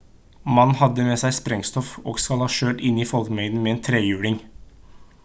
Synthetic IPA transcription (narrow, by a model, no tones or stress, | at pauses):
mɑnːhɑd̪əmeːsæɪspɾɛŋst̪ɔfo̰ːɡskɑlhɑːʃøːʈɪnːiːfɔlkmɛɪnəmɛeːnt̪ʰɾeːjʉːɽɪŋ